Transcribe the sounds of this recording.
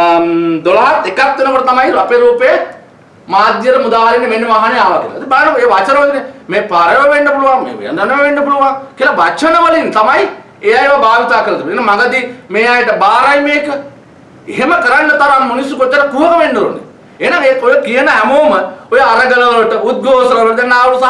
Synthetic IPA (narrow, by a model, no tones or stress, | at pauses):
d̪olɐɦat̪ekat̪ːenɐkoʈɐt̪ɐmaiɾɐpeɾuːpeje | maːd̪jɐɾɐmud̪aːɦɐlinːeʋenːeʋaːɦɐnɐjaːʋakilɐɐd̪ibajɐnɐkeʋat͡ʃɐnɐʋɐlinːemeːpaɾɐjʋɐʋenːɐpuluʋaŋmḛːʋḛjɐndɐnɐʋeʋenːɐpuluʋaŋkiɐlɐʋat͡ʃʰɐnɐʋɐlinːt̪ɐmaj | ejajeʋɐbaːʋit̪aːkɐɾɐt̪iʋienɐŋmɐɡɐd̪imeːajɐʈɐbaːɾɐjmeːkɐ | eɦemɐkɐɾɐɳːɐt̪ɐɾammunisukot͡ʃːɐʈɐkuʋɐkɐʋenːɐɾṵnːḭ | eɦnɐŋeojɐkijɐnɐɦɛmoːmɐojɐɐɾɐɡɐlɐʋɐlɐʈɐud̪̚ɡʱoːsɐnɐʋɐʈd̪enːaːʋɐlusa